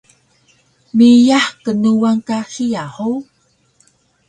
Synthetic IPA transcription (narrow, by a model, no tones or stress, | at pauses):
mijaħkənuwaŋkaxijaħu